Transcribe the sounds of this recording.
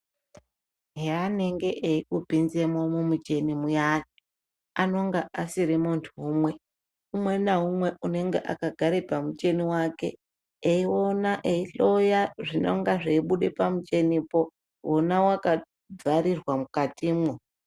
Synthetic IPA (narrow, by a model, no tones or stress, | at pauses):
ɦeane̞ŋɡe̞ʔeikubʱinze̞mwomumut͡ʃe̞nimujat͡ʃi̥ | ano̞ŋɡaʔasiɾimuntʰuumwe̞ | umwe̞naɦumwe̞une̞ŋɡe̞̰ʔa̰kaɡʱaɾepamut͡ʃe̞niwake̞̰ː | iwo̞naʔeiɬo̞jaʐino̰ŋɡaʐeiɓuɗepamut͡ʃe̞nipo̞ | wonawaka | d͡zaɾirwamukatiːmwo